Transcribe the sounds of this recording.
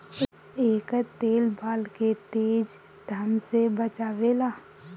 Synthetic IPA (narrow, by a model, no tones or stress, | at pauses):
eːkt̪eːlbʱaːlket̪eːd͡ʒ | d̪ʱəmsebət͡ʃaːʋelaː